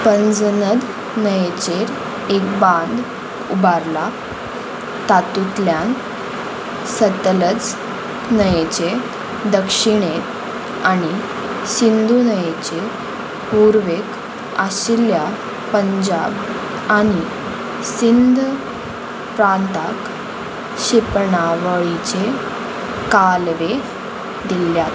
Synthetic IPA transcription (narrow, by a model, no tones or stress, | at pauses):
pənd͡znəd̪ | nəjet͡ɕeɾ | ekbãnd̪ | ubaɾla | t̪at̪ut̪ljan | sət̪lət͡s | nəjet͡ɕe | d̪əkʂiɳet̪ | aɽ̃i | sind̪ʱunəjet͡ɕe | puɾʋek | aɕilja | pəɲd͡ʑa̰b | aɽ̃i | sind̪ʱ | pɾant̪ak | ɕipɳaʋəɭit͡ɕe | kalʋe | d̪iljat̪